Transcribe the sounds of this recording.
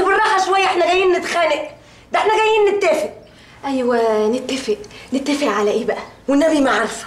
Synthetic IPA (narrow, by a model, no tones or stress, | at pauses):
bɑrˤːɑːħɑʃowæjːæʔeħnæɡæjːiːnnɪt̪xæːleʔ | d̪æeħnæɡæjːiːnnet̪ːæfeʔ | ʔæjwenɪt̪ːæfeʔnɪt̪ːæfeʔʕalæʔeːbæʔæwɪnːæbimaʕɑɾˤf